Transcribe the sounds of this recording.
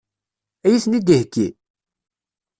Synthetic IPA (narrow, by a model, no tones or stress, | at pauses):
æjisnid̪ihkːi